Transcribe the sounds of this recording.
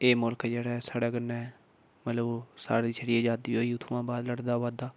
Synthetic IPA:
eːmʊlkːd͡ʒeːɽɛːsaːɽɛːkənːɛː | mət̪ləbsa̰ːɾiːt͡ʃʰəɽɪjeːd͡ʒaːd̪iːɦoːiːʊt̪ʰũːãːbaːd̪ləɽd̪aːʋaːd̪aː

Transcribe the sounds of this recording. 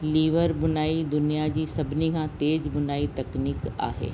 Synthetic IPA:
liːʋəɾbʊnaːid̪ʊnijad͡ʑiːsɐbʱnikʰãt̪eːd͡ʑbʊnaːit̪ɐkniːka̰ːɦḛː

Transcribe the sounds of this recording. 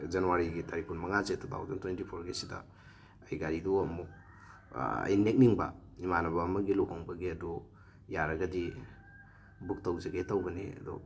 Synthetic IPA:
zɐnuwaɾiɡitʰaɾikunmɐŋazetʰut̪ʰa̰wzɐntwentipʰoɾɡesidɐ̰ː | jɡaɾiduɐmuk | ɐ̰jnek̚niŋbɐ̰ | imanɐbɐːmɐɡiluɦhaŋbɐɡiɐdu | jaɾɐɡɐdi | buk̚tawzeɡetawɡɐnḭɐ̰dɔ̰

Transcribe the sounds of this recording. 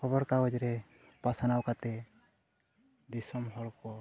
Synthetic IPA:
kʰɔbɔɾkaɡɔd͡ʒɾɛ | pasanawkat̪ɛ | d̪isɔmɦɔɭkɔ

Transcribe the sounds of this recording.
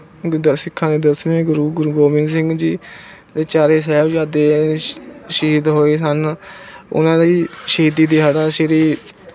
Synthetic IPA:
d̪əsɪkʰːãːd̪eːd̪əsmẽːɡʊɾuːɡʊɾuːɡoːmɪns̬ɪ̃ŋɡd͡ʒiː | d̪eːt͡ʃaːɾeːs̬ɛːbd͡ʒaːd̪eː | ʃiiːd̪ɦoːeːsən | ʊ̰nãːd̪iiːʃiːd̪iːd̪eːɦaːɽaːsɪɾiː

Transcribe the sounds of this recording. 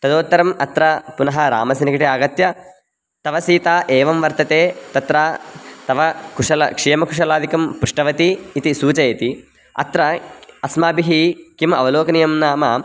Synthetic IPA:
t̪ɐd̪oːt̪ːɐɾɐmɐt̪ɾɐpunɐɦɐɾa̰ːmɐsinikɐʈiaːɡɐt̪jɐ | t̪ɐʋɐsiːt̪aːʔeːʋɐmʋɐɾt̪ɐt̪eːt̪ɐt̪ɾat̪ɐʋɐkuʂɐlɐkʂijɐmɐkuʂ̬ɐlaːd̪ikɐmpɾuʂʈɐʋɐt̪iːt̪isuːt͡ʃɐɐt̪i | ɐ̰t̪ɾɐɐsmaːbiɦikimɐʋɐloːkɐnijɐmnaːmɐ

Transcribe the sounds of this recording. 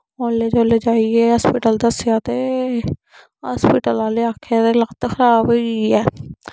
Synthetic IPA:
oːlːeːd͡ʒoːleːd͡ʒaːieːɦaspiːʈəld̪əsɪjaːt̪eː | ɦaːspiːʈəlaːleːaːkʰːeat̪eːləkt̪ːkʰəɾaːbiɛː

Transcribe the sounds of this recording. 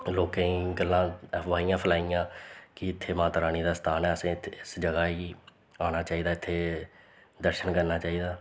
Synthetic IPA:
loːkẽĩːɡəlːãːʋaːijãːpʰəlaːijãːkɪɪt̪ʰːeːmãːt̪ɾaːñiːd̪aːst̪ʰaːnɛːəsẽːɪsd͡ʒəɡaːiː | aːñaːt͡ʃaːiːd̪aːɪt̪ʰːeː | d̪əɾʃənkəɾnaːt͡ʃaːiːd̪aː

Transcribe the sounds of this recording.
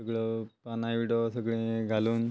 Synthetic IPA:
əɡɭəpanaʋiɽosəɡɭẽɡʱaluːn

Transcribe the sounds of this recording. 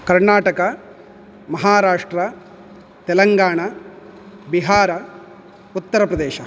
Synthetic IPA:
kɐɾɳaːʈɐkɐ | mɐɦaːɾaːʂʈɾɐ | t̪elɐŋɡaːɳɐ | biɦaːɾɐ | ut̪ːɐɾɐpɾɐd̪eːʃɐ

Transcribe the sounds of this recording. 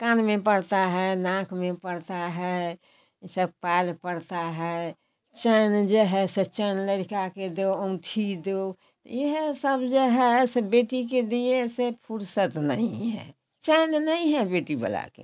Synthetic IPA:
kanmepəɽt̪aɦɛnãkʰmepəɽt̪aɦɛ | səb̚palpəɽt̪aɦɛ | t͡ʃənd͡ʒeɦɛset͡ʃənləɽikaked̪eə̃ũʈʰid̪e | t̪jeɦesəbd͡ʒeɦɛsebeʈik̬ed̪iesepʰuɾsət̪nəĩɦɛ̰ | t͡ʃənnəĩɦɛbeːʈibə̰la̰kḛ

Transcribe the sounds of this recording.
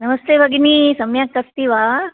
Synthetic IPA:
nɐmɐst̪ebaɡinisɐmjak̚ːɐst̪iːʋaː

